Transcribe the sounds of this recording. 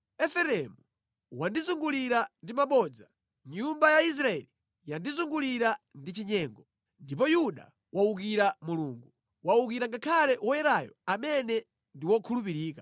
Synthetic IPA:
ɛfɛɾɛmu | wandizuŋɡuliɾandimaɓɔd͡za | ɲumbajais̬ɾaɛli | jandizuŋɡuliɾandit͡ʃiɲɛːŋɡɔ | ndip̬ɔjuɗa̰ | wauk̬iɾamuluːŋɡu | wauk̬iɾaŋɡakʰalɛwɔjɛɾajɔ̰amɛnɛ | ndiwɔkʰulup̬iɾiːka

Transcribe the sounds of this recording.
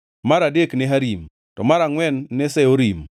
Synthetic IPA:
maɾadekneɦaɾim | tɔmaɾaŋwɛnːesɛoɾim

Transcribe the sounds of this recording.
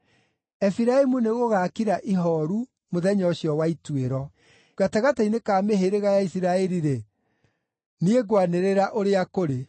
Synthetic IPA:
ɛfiɾaemuneɣoɣakiɾaʔiɦɔɾu | moðɛɲɔɕjɔwaitweɾɔ | ɣataɣatainekameɦeɾeɣajaisiɾaɛɾiɾe | nieɡwaneɾeɾaʔoɾeakoɾe

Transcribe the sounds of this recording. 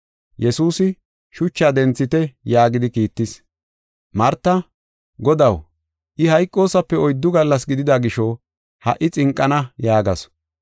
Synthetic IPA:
jɛsuːsɪ | ʃʊt͡ʃːaːd̪ɛnt͡sːɪt̪ɛjaːɡɪd̪ɪkiːt̪ːɪs | mɐɾt̪ːɐ | ɡɔd̪ɐw | ʔɪhɐjkʼːo̞ːsɐpːɛɔjd̪ːʊɡɐlːɐsɡɪd̪ɪd̪aɡɪʃɔ | hɐʔɪt͡sʼɪŋkʼːɐnɐjaːɡɐ̰s

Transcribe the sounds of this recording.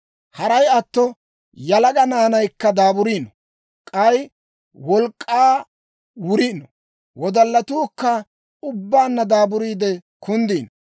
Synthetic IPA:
hɐɾɐjɐt̪ːɔ | jɐlɐɡɐnaːnɐjkːɐd̪aːbʊɾiːnɔ̥ | kʼɐj | wɔlkʼːaː | wʊɾiːnɔ | wɔd̪ɐlːɐt̪uːkːɐ | ʊbːaːnːɐd̪aːbʊɾiːd̪ɛkʰʊnd̪iːnɔ

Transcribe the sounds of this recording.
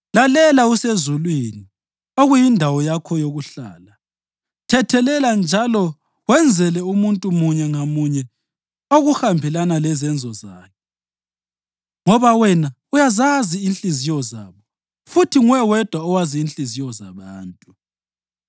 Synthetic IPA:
lalɛlausezulwini | oɣujindʱawɔjakʰɔjoɣuɬa̰ːla | tʰɛtʰɛlɛland͡ʒʱalɔ | wɛnd͡zʱɛlɛumuntʼumuɲɛŋamuɲɛ | oɣuhambʱɛlanalɛzɛnd͡zʱɔza̰ːkʰɛ | ŋɔβawɛna | ujazaziːnɬʼizijɔzaːβɔ | futʰiŋwɛwɛd̥ʱwaɔwaziːnɬʼizijɔza̰βaːntʼu

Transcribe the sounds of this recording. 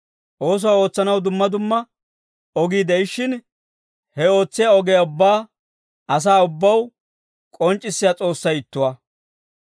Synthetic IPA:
ʔo̞ːs̬ɔwao̞ːt͡sːɐnɐwd̪ʊmːɐd̪ʊmːɐ | ɔɡiːd̪ɛɪʃːɪn | hɛo̞ːt͡sːɪjaɔɡejaʊbːaː | ɐs̬aːʊbːɐw | kʼɔnt͡ʃʼːɪsːɪjat͡sʼo̞ːsːɐjɪt̪ːʊwɐ

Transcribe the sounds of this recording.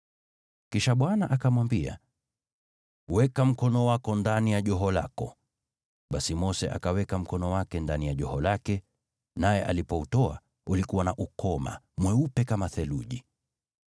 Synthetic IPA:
kiʃaɓwanaʔakamwambia̰ | wɛkam̩kɔnɔwakɔndanijaʄɔɦɔla̰kɔ | ɓasimɔsɛʔa̰kawɛkam̩kɔnɔwakɛndanijaʄɔhɔlakɛ | najɛʔa̰lipɔutɔa̰ | ulikuwanaʔukɔma̰ | mwɛupɛkamaθɛlṵʄi

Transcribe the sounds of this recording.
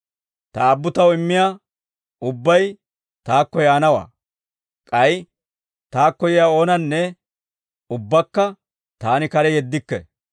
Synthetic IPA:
t̪ɐːbːʊt̪ɐwɪmːɪjaː | ʊbːɐj | t̪aːkːɔjaːnɐwa̰ː | kʼɐj | t̪aːkːɔjɪjaːo̞ːnɐnːɛ | ʊbːɐkːɐ | t̪aːnɪkɐɾɛjɛd̪ːɪkːɛ̰

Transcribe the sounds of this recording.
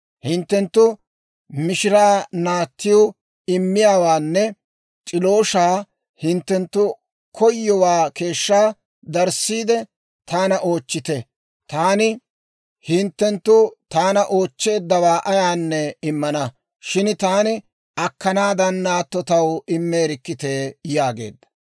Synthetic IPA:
hɪnt̪ːɛnt̪ːʊ | mɪʃɪɾaːnaːt̪ːɪjʊ | ɪmːɪjaːwaːnːɛ | t͡ʃʼɪlo̞ːʃaː | hɪnt̪ːɛnt̪ːʊ | kʰɔjːɔwaːke̞ːʃːaː | d̪ɐɾsiːd̪ɛ | t̪aːnɐʔo̞ːt͡ʃːɪt̪ɛ | t̪aːnɪ | hɪnt̪ːɛnt̪ːʊt̪aːnɐʔo̞ːt͡ʃːe̞ːd̪ːɐwaːʔɐjaːnːɛɪmːɐnɐ | ʃɪnt̪aːnɪ | ɐkːɐnaːd̪ɐnːaːt̪ːɔt̪ɐwɪmːe̞ːɾɪkːɪt̪e̞ːjaːɡe̞̰ːd̪ːɐ̥

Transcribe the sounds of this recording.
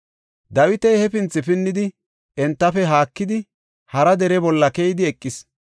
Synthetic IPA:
d̪ɐwɪt̪ɛjhɛfɪnt͡sːɪfɪnːɪd̪ɪ | ɛnt̪ːɐfɛɦaːkːɪd̪ɪ | hɐɾɐd̪ɛɾɛbɔlːɐkɛjɪd̪ɪɛkʼːɪs

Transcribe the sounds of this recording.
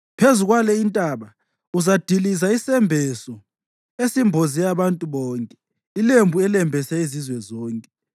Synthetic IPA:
pʰezuɣwalɛintʼaβa | uzad̥ʱilizaisɛmbʱɛsɔ | esimbʱozijaβantʼuβɔːŋkʼɛ | ilembʱuɛlɛmbʱɛsɛizizwɛzɔːŋkʼɛ

